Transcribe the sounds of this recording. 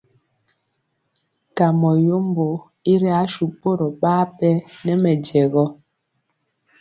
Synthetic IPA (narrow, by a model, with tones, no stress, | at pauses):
ka˨mɔ˨jo˦m˦bo˨ | i˦ɾɛ˦a˨˦ʃu˨po˦ɾɔ˨ɓaː˦pɛ˦nɛ˦mɛ˨d͡ʒɛ˨ɣɔ˦